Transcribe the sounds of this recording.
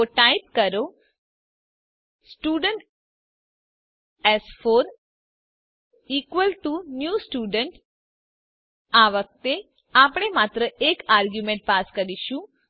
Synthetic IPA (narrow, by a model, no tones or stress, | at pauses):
oʈajp̚kəɾo | sʈuɖəɳʈ | ɛsfon | ikʋəlʈunjusʈuɖəɳʈ | aʋək̚t̪e | apɽ̃emat̪ɾəʔekaɾɡjumẽɳʈ̚paskəɾiʃũ